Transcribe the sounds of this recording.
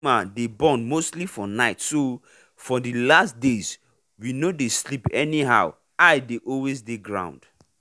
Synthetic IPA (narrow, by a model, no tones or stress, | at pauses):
adebɔ̃nmostlifɔnaɪtso | fɔdəlastdez̥ | winodeslipɛniɦa̰ʊ | aɪdeʔɔlwezdeɡɹã̰ʊ̃nd̥